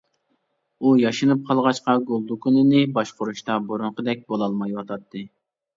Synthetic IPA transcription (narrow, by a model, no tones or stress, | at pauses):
ujɑʃɨnɨp̚qʰɑlˠʁɑʃqɑɡolˠd̪ukʰunɨnɨbɑʃqoɾuʃt̪ɑboɾʊɴqəd̪ɛk̚ʲbolˠɑlˠmɑjwɑt̪ʰɑt̪ʰːɨ